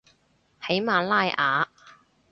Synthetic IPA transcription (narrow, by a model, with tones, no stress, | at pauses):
he˨˥jmaː˨laː˥jʔaː˨˧